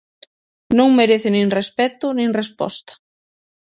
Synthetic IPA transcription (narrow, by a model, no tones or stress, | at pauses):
nõŋmeɾeθɪnĩŋrespɛt̪ʊnĩŋrespɔ̰st̪ḁ